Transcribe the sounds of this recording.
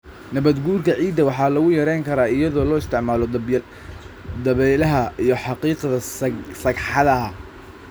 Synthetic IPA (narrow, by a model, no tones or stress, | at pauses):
nɐβɐd̪ɡuːrkʰɐʕiːd̪ːɐwɑħɑːlɐɣʊjɐɾɛjŋkʰɐɾaːɪjɐðɔːlɔːɪst̪ʰɪʕmaːlɔd̪b | d̪ɐβɛlɐɦɐijɞħɑqiːqðɐsɐɡħɑðɐ